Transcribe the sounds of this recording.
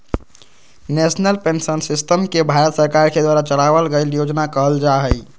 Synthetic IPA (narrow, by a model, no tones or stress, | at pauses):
nesnəlpensənsisʈəmkebʱaɾət̪səɾkaɾked̪waɾat͡ʃəlabəlɡəljod͡ʒnakəɦəld͡ʒaɦəj